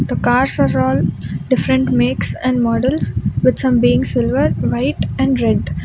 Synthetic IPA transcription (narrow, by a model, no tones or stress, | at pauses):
d̪̥əkaːɾsaɾɔːlɖɪfɾə̃ɳʈmeːksɛ̃ɳɖmɔːɖəlsʋɪd̪sʌ̃mbiːɪ̃ŋsɪlʋəɾʋaɪʈɛ̃ɳɖɾɛɖ